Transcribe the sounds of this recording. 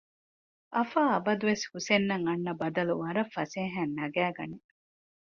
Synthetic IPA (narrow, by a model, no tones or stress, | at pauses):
ʔɐfaːɐbɐd̪uʋeshusenːɐŋɐnːɐbɐd̪ɐluʋɐɾɐfːɐseːɦæːnːɐɡæːɡɐ̰ne